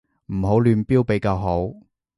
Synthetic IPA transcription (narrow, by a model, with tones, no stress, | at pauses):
m̩˨˩ɦo˨˥wlyː˨˧npiː˥wpe˨˥jkaː˧wɦo˨˥w